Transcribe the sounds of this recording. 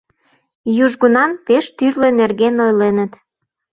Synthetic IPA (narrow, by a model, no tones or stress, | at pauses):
juʒɣunɑnpeʃt̪yrlenerɣenojlenə̆t̪